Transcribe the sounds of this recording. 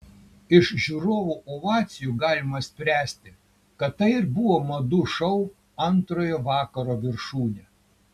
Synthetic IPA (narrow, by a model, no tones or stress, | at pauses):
ɪʃʒʲuɾoːʋuːʔoʋɑːt̪sʲɪjuːɡɑːlʲɪmɐsʲpʲɾʲæːsʲt̪ʲɪ | kɐt̪t̪ːɐɪɪɾbʊʋoːmɐd̪ʊʃɐʊ | ɐnt̪ɾoːjoʋɑːkɐɾoːʋʲɪɾʃuːnʲe